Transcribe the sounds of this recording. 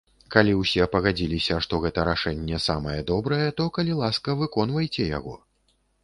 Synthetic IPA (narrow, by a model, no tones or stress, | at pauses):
kalʲiwsʲɛpɐɣad͡zʲilʲisʲɐʂt̪ɔɣɛt̪ɐɾaʂɛnʲːɛsamɐjɛd̪ɔbɾɐjɛt̪ɔkɐlʲilˠaskɐvɨkɔnvɐjt͡sʲɛja̰ɣɔ